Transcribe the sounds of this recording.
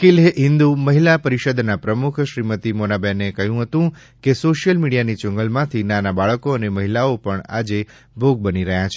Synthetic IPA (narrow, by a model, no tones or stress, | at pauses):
kilɦeʔɦɪ̃nd̪uməɦilapəɾiʃəd̪napɾəmukʰʃɾimət̪imonabenekəɦjũɦət̪ũ | kesoʃijəlmiɽijanit͡ʃʊ̃ŋɡəlmãt̪ʰinanabaɭəkoəneməɦilaopəɳa̰d͡ʒe | bʱoɡ̚bəniɾəɦjat͡ʃʰe